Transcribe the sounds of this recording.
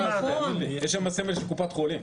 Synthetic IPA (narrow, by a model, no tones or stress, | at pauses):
aojeʃamasemelʃelkupat̪χolim